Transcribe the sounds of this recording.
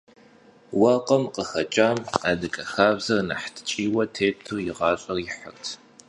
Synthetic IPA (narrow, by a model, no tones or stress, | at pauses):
wɑqɐmqəxɐt͡ʃʼaːma̰ːdɨkʼɐxaːvzɐrnɐ̰ħtʰt͡ʃʼiːwɐtʰeːp̚tʰurjɪʁɑːɕʼɐrjɪħə̰rtʰ